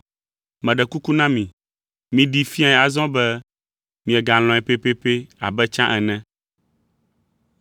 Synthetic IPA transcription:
mɛ̃˨ɖɛ˨ku˦ku˦nã˦mĩ˨ | mĩ˦ɖi˦fi˦a˦ɛ˦a˨zɔ̃˦bɛ˦ | mĩ˨ɛ˨ɡa˨l̃ɔ̃˨ɛ˨pe˦pe˦pe˦a̰˨bɛ˦t͡ʃã˦ʔɛ˨nɛ̃˦

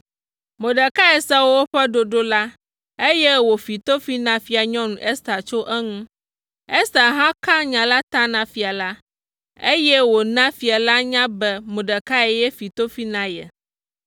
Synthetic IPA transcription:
mõ˨ɖɛ˨ka˦ɛ˨sɛ˦wo˦wo˦ɸɛ˦ɖo˨ɖo˦la˦ | e˦jɛ˦wo˨fi˨t̪o˦fi˦nã˦fi˨a˨ɲɔ̃˦nũ˨ʔɛ˦st̪a˨t͡ʃo˦ʔɛ˦ŋũ˦ | e˦st̪a˨ɦã˦kã˦ɲã˨la˦t̪a˦nã˨fi˨a˨la˦ | ḛ˦jɛ˦wo˨nã˦fi˨a˨la˦ɲã˦bɛ˦mõ˨ɖɛ˨ka˦ɛ˨jɛ˦fi˨t̪o˦fi˦nã˦jɛ̰˨

